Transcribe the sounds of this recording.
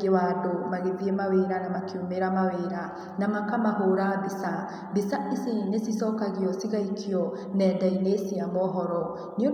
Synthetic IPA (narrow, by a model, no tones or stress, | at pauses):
ɡewadomaɣeðiemaweɾanamakʰiomeɾamaweɾa | namakamaɦoɾabisa | bisaʔisinesisɔkaɣiɔsiɣaikʰiɔ | nɛːdainesiamɔɦɔɾɔ | nio